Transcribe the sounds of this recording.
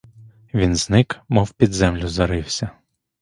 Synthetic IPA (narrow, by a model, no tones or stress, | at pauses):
ʋʲinznɪkmɔwpʲid̪zɛmlʲʊzɐɾɪwsʲɐ